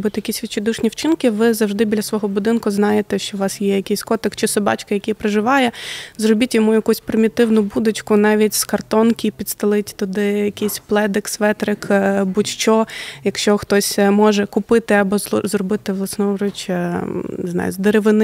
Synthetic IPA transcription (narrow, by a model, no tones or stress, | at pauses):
bʊt̪jɐkʲisʲʋʲit͡ʃed̪uʃnʲiwt͡ʃɪnkɪʋɪzɐwʒd̪ɪbʲidlʲɐsʋɔɦɔbʊd̪ɪnkʊznɑjet̪ɛʃt͡ʃɔʋɑsjɛjɐkɛjsʲkɔt̪ɪkt͡ʃɪsɔbɑ̰t͡ʃkɐjɐkʲɛjpɾeʒɪʋɑjɛzrɔbʲitʲjɔmujɐkusʲpɾɪmʲit̪ɪwnʊbud̪ʊt͡ʃkʊnɑʋʲitʲskɐrt̪ɔnkʲipʲid̪st̪ɪlˠɪtʲt̪ʊd̪ɪjɐkʲisʲplˠɛd̪ɪksʋɛt̪ɾɪkbutʲt͡ʃɔjɐkʃt͡ʃɔxt̪ɔsʲmɔʒɛkʊpɪt̪ɪɐbɔzrɔbɪt̪ɪʋlˠɐsnɔɾʊt͡ʃ̪ | znɑ̰jʊ̰zd̪eɾeʋɪnɪ